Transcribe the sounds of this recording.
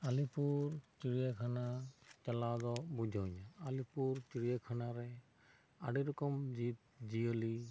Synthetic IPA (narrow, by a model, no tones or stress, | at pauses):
alipuɹt͡ʃiɹijakʰanat͡ʃalazɔbud͡ʒʱɔɲaalipuɹt͡ʃiɹijakʰanaɾɛ | a̰ɖiɾɔkɔmd͡ʒit̚ziɔli